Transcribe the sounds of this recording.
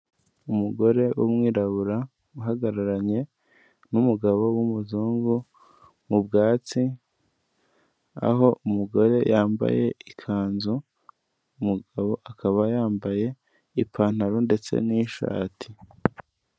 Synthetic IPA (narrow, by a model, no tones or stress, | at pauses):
umuɡo̞ɾe̞wʔṵmŋiːɾaβuɾa | uɦaɡaɾaɾaɲe̞ | numuɡaβo̞wumuzuːŋɡu | mubɡaːt͡si | a̰ɦo̞ʔumuɡo̞ɾe̞jaːmba̰je̞̰ikʰaːnzu | umuɡaβo̞ʔakʰaβajaːmbaje̞ | ipʰaːn̥haɾonde̞t͡se̞̰niːʃa̰ːtʰi